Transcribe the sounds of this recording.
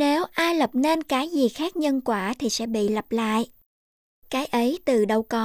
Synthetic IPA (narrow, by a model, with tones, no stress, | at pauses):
ne˨˦wʔaː˧jlə˨˩p̚ne˧nkaː˨˦jzi˨˩xaː˦˥k̚ɲə˧nkwaː˧˩t̪ʰi˨˩sɛ̰˧˥ɓḭ˧˨lə˨˩p̚la̰ː˧˨jʔ | kaː˨˦jʔə˨˦jt̪ɨ˨˩ɗə˧˩wkɔ˨˦